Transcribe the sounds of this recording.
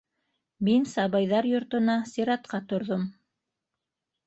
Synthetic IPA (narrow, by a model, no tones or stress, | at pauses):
minsɑβɤjðɑɾjŏɾt̪ŏnɑsʲiɾɑt̪̚qɑt̪ŏɾðom